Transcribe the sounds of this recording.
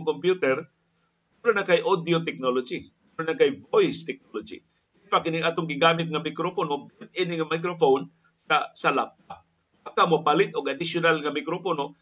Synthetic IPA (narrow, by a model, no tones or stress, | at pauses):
ŋkompjut̪ɛɾ | ulanakajʔod̪jot̪ɛk̚nolod͡ʒi | ulanakajvojst̪ɛk̚nolod͡ʒḭ | ɪnfakɪnɪŋʔaːt̪ʊŋɡɪɡaːmɪt̪̚ŋamɪkɾoponobɛnt̪̚inɪŋamajk̬ɾofown | tasalap̚a | bakamopalɪt̪̚ʊɡad̪ɪsjʊnalŋamɪkɾopono